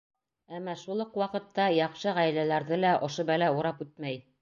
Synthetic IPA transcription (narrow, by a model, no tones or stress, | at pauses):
æmːæʃulˠoqwɑqɤ̆t̪ːɑjɑqʃɤʁæj̆lælæɾðɘlæʔŏʃobælæuɾɑpʉt̪̚mæj